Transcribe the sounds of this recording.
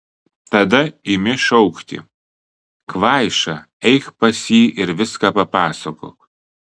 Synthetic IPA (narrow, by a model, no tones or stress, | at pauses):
t̪ɐd̪ɐɪmʲɪʃɔʊkt̪ʲɪ̰ | kʋɑˑɪʃɐ | ɛɪkpɐsʲiːʔɪɾʋʲɪskaːpɐpɑːsɐko̰ːk